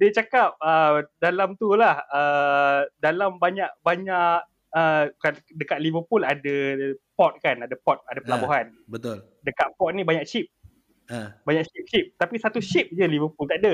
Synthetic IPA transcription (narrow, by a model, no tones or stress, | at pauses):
diət͡ʃakap̚ədalamt̪ulahə | dalambaɲaʔ̚baɲaʔk | əkadəkat̪̚livəpuladapɔt̪̚kanadapɔt̪̚adapəlaboɦanbət̪ʊl | dəkaʔ̪̚pɔt̪̚nibaɲakt͡ʃip̚ | əbaɲaʔ̚t͡ʃip̚t͡ʃip̚t̪apisat̪uʃip̚d͡ʒəlivəpult̪aʔada